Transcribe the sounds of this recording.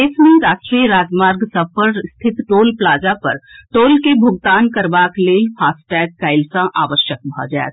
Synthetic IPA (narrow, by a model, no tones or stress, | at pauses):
esmẽɾaːsʈɾijɾaːd͡ʒmaːɾɡsəpʰəɾst̪ʰɪt̪ʈoːlplaːd͡ʒapəɾʈoːlkebʱʊɡ̚t̪aːnkəɾbakleipʰaːsʈɛːɡ̚kaɪlsãʔaːʋəʃjək̚bʱɔ̰d͡ʒa̰ḛt̪